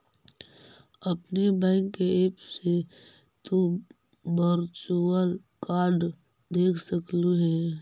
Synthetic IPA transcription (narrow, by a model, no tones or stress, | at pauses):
ɐpnebɛ̃ːŋkːeeːpse | t̪o | bəɾt͡ʃuəl | kaːɾɖ | d̪eːkʰsəkluɦɛː